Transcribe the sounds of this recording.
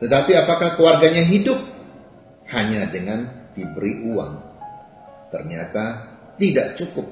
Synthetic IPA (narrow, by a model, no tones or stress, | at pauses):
t̪ət̪apiapakahkuwarɡaɲaɦidʊp̚ | haɲadəŋand̥ibəɾiʔuwa̰ŋ | t̪ərɲat̪a | t̪idaʔt͡ʃukʊp̚